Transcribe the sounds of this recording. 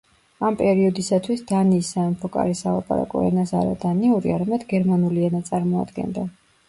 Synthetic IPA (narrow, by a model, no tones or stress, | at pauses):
ampʼɛɾiɔd̪isat̪ʰwisd̪̥aniːsaɛmpʰɔkʼa̰ɾisavapʼaɾa̰kʼɔ̰ɛ̰nasa̰ɾa̰d̪aniuɾḭaɾamɛd̪ɡɛɾmanuliɛnat̪sʼaɾmɔa̰d̪ɡɛ̰nd̪a